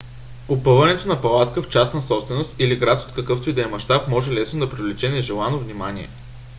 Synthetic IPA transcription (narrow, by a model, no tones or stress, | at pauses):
opɤvɐnɛt̪onɐpɐlˠat̪kəft͡ʃasnɐsɔpst̪vɛnost̪iliɡɾat̪o̥t̪̚kəkɤft̪ʊid̪ɛmɐʃt̪apmɔʒɛlɛsnod̪ɐpɾivlit͡ʃɛnɛʒɛlˠanovnimaniɛ̰